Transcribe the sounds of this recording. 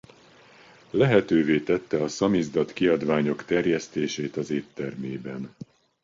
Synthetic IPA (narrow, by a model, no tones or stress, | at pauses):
lɛɦɛt̪øːveːt̪ɛt̪ːɛɒsɒmizd̪ɒt̪kiɒd̪ʋaːɲo̞kt̪ɛrjɛst̪eːʃeːt̪ɒzeːt̪ːɛrmeːbɛn